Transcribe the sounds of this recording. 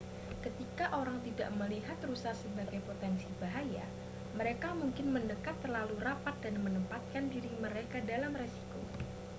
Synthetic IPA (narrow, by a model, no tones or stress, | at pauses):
kət̪ikaʔoɾaŋt̪ida̰ʔməliɦat̪rusasəbaɡajpot̪ɛnsibaɦaja | məɾekamuŋkɪnməndəkat̪ːərlalurapat̪̚danmənəmpat̪̚kandiɾiməɾekadalamresi̥ko̰